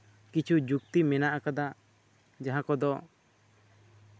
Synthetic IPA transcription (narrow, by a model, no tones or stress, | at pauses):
kit͡ʃʰud͡ʒuk̚t̪imɛnaʔakad̪a | d͡ʒaɦãkɔd̪ɔ